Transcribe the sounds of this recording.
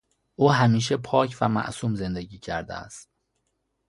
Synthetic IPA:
ʔuːɦæmiːʃepʰɒːcʰvæmæ̰ʔsuːmze̞nd̪eɟiːcʰæɾd̪ḛæ̰st̪

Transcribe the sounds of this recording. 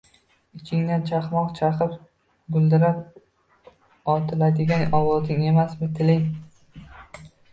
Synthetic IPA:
ɪt͡ʃʲʰɪŋd̪ant͡ʃʰaχmɒqt͡ʃʰaqɨp | ɡʊlˠd̪ɪɾap̚ | ɒt̪ʰɪlad̪ɪɡʲanɒwɒzɪŋe̞masmɪt̪ʰɪlɪŋ

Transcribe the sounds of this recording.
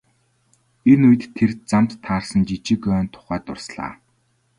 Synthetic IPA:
enuj̆t̪ʰːert͡samt̪ʰːaːrsə̆nt͡ɕit͡ɕɪ̆kœːnt̪ʰːʊ̥χæːt̪ʊ̰rsɮa̰ː

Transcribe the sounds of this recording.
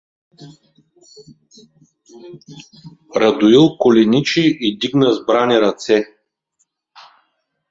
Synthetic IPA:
ɾɐd̪ʊilˠkolɛnit͡ʃiʔid̪iɡnəzbɾaniɾɐt̪sɛ

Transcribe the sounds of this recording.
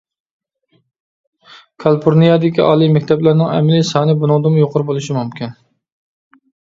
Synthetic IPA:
kʰɑlˠpʰoɾnijɑd̪ɪkʲiʔɑ̰ːlˠimɛkʲt̪ʰɛblæɾnɪŋɛ̰mlɪsɑːnɨbunʊŋd̪ɨmujoqʰʊɾbolˠuʃimumkʲin

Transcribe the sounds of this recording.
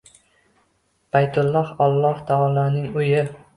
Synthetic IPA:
b̥ajt̪ʰʊlˠːɒhɒlˠːɒht̪ʰɒɒlˠɒnɪŋʊjɪ

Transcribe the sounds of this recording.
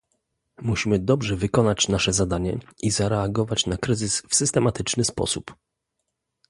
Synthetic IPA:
muɕimɘd̪ɔbʐɛvɘkɔnat͡ɕnaʂɛzad̪aɲɛ̰izaɾɛaɡɔvat͡ɕnakɾɘzɘsfsɘst̪ɛmat̪ɘt͡ʂnɘspɔ̰sup

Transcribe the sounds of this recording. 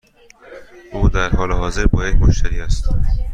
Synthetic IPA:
ʔuːd̪æɾhɒːleɦɒːzeɾbɒːjekmoʃt̪æɾiːæst̪

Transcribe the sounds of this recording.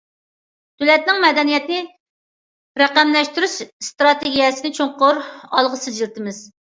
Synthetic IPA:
t̪ʰylɛt̪̚nɪŋmɛd̪ɛnijɛt̪nɪ | ɾɛqæmlɛʃt̪yɾyʃst̪ɾɑt̪eɡʲijɛsɪnɪt͡ʃʰoŋqʊɾɑ̰lˠʁəsɨd͡ʒilt̪ʰɪmɪz

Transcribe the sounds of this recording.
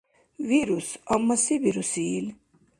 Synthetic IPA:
viɾusamːasibiɾusiːlʲ

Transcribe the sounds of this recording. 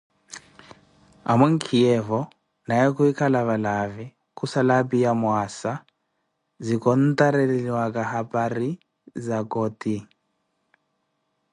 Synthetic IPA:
a̰mwɛŋ̩kʰiɛvɔ | najɛkuikʰalaβalavi | kusalapijamwasa | zikɔn̩t̪aɾɛlɛlwakahapʼaɾi | zakɔti

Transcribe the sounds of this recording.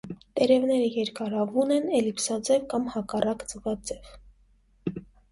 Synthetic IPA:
t̪ɛɾɛvnɛɾəjɛɾkɑɾɑvunɛnɛlipsɑd͡zɛvkɑmhɑkɑrɑkd͡zəvɑd͡zɛv

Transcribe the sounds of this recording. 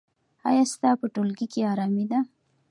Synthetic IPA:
ɑ̰jɑst̪ɑpəʈolɡikeɑɾɑmid̪a

